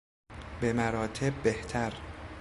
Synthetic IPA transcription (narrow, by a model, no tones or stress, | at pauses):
be̞mæɾɒːt̪ʰe̞b̚ːeht̪ʰæɾ